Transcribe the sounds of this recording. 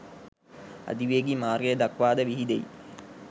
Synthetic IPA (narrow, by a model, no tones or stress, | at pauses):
a̰d̪iʋeːɡimaːrɡejəd̪akʋaːd̪əʋiɦid̪ej